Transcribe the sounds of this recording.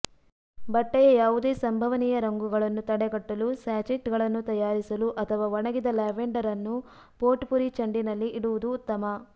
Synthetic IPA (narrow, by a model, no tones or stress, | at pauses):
bɐʈːɛjɐjaːʋud̪e̞ːsɐmbʱɐʋɐnijɐɾɐŋɡuɡɐɭɐnːut̪ɐɽɛɡɐʈːɐlusaːt͡ʃiʈɡɐɭɐnːut̪ɐjaːɾisɐluʔɐt̪ʰɐʋaːʋɔɳɐɡid̪ɐlaːʋeɳɖɐɾɐnːu | poːʈpuɾit͡ʃɐɳɖinɐlːiʔːɽuʋud̪uːt̪ːɐmɐ